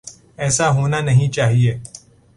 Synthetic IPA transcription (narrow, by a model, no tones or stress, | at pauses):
ɛːsaɦoːnanɐɦĩt͡ʃaːɦieː